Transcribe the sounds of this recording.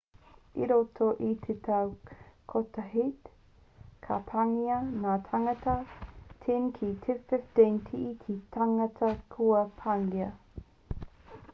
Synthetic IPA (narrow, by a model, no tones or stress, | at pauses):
iɾotʰoʔit̪ʰetʰɐwkʰotɐɦit | kʰapʰaŋiɐŋaːtʰaŋɐtɐtʰinkʰitʰefɛfdentʰiʔikʰitaŋɐtʰɐkʰuɐpʰaŋiɐ